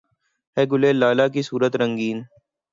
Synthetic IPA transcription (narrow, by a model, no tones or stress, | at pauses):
ɦɛːɡʊleːlːaːlaːkisuːɾət̪ɾə̃ŋɡiːn